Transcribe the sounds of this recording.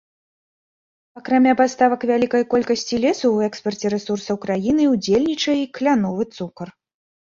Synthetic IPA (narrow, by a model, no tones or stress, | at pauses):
ɐkɾamʲapast̪avɐkvʲalʲikɐjkɔlʲkɐsʲt͡sʲilʲɛsɐwɛkspɐrt͡sʲɛɾɛsursɐwkɾajinɨwd͡zʲelʲnʲit͡ʂɐjɛiklʲanɔvɨt̪sukɐr